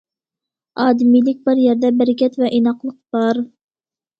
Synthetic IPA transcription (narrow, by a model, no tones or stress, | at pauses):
ɑːd̪ɪmijlɪk̚ʲbɪɾjæɾd̪ɛbɪɾɪkʲʰɛt̪vɛʔinɑqlˠəq̚b̥ɑɾ